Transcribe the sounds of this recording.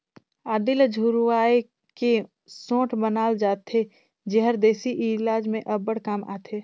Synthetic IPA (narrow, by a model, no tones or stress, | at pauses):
aːd̪ɪld͡ʒʱuɾwaːe | ke | sõːʈbənaːld͡ʒaːt̪ʰe | d͡ʒeɦəɾd̪eːsiʔilaːd͡ʒmẽʔɐbːəɽ̤kaːma̰ːt̪ʰeː